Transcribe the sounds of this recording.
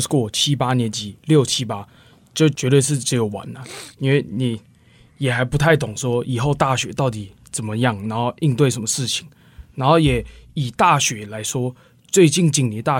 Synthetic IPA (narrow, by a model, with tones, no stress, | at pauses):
skwɔ˥˩t͡ɕʰi˦˥pa˥njɛ˧˦˥nt͡ɕi˨˩˦ljo˥˩ʊt͡ɕʰi˦˥pa˥ | t͡ɕjo˥˩ʊt͡ɕɥɛ˧˥t̪we˥˧ɪʂ̬ɻ̩˥˩ʈ͡ʂɻ̩˧˥jo˨˩ʊwa̰˨˦nə˨i˥nwe˥˩ɪni˨˩˦ | jɛ˨˩xa˧˥ɪpu˧˥t̪ʰa˥˩ɪt̪ʊ˨˩ŋʂwɔ˦˥i˨˩xo˥˧ʊt̪a˥˩ɕɥɛ˧˥t̪ɑ˥˩ʊt̪̬i˨˩ | t͡sə˨˩nmə˦jɑ˥˩ŋna˧˥nxo˥˧ʊʔi˥˧nt̪we˥˩ɪʂ̬ə˧˦nmə˧ʂɻ̩˥˩t͡ɕʰi˨˩ŋ | na˧˥nxo˥˩ʊjɛ˨˩˦i˨˩t̪a˥˩ɕɥɛ˧˥la˧˥ɪʂwɔ˥ | t͡swe˥˧ɪt͡ɕi˥˧nt͡ɕi˥˩ŋni˨˩˦t̪a˥˩